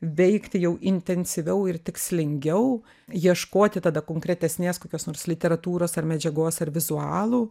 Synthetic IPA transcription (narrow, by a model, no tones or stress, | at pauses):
ʋʲɛɪkt̪ʲɪjɛʊʔɪnʲt̪ʲɛnʲsʲɪʋʲɛʊɪrt̪ʲɪksʲlʲɪŋʲɡʲɛʊ | jiɛʃkoːt̪ʲɪt̪ɐd̪ɐkoːŋkɾʲɛt̪ʲɛsʲnʲeːskoːkʲoːsnoːɾslʲɪt̪ʲɛɾɐt̪uːɾoːsɐrmʲɛd͡ʒʲɛɡoːsɐrʋʲɪzuɑːlˠuː